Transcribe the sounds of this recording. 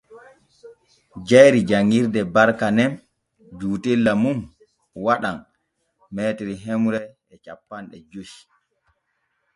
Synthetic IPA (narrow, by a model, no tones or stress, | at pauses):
d͡ʒajɾid͡ʒaŋːiɾdɛbaɾkanɛn | d͡ʒuːtelːamum | waɗan | mɛːtiɾiɦemuɾɛ | ɛt͡ʃapːanɗɛ̰d͡ʒuʃi̥